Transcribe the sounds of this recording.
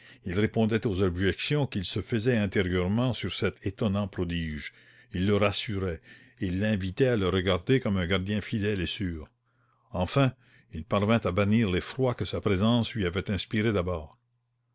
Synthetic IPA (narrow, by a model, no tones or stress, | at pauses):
ilʁepɔ̃d̪ɛt̪ozɔbʒɛksjɔ̃kilsəfəzɛɛ̃t̪eʁjœʁmɑ̃syʁsɛt̪ʰet̪ɔnɑ̃pɾɔd̪iːʒ | ilːəʁasyʁɛ | ilːɛ̃vit̪ɛaləɾəɡaʁd̪ekɔmɛ̃ɡaʁd̪jɛ̃fid̪ɛlesyːʁ | ɑ̃fɛ̃ | ilpaʁvɛ̃t̪abaniːʁlefrwakəsapɾezɑ̃slɥiavɛt̪ɛ̃spiʁed̪abɔːʁ